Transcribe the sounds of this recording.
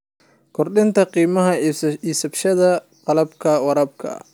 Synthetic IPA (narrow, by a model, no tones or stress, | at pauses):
kʰɔrɗɪnt̪ʰɐqiːmɐɦɐiːsɐbʃɐðɐ | qɑlɐbkʰɐwɑɾɐb̚kʰɐ̰